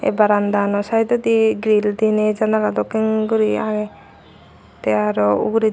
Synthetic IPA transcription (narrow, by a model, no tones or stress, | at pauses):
ḛbaɾand̪anɔsaɦid̪ɔd̪iɡɾild̪ined͡ʒanalad̪ɔkiŋɡuɾiaɡɛ | t̪ɛaɾɔṵɡɾi